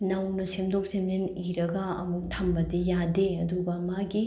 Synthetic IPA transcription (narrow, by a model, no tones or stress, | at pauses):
nɐwnɐsemdok̚semneniɾɐɡɐɐmuk̚tʰɐmbɐdijadeɐduɡɐmaɡi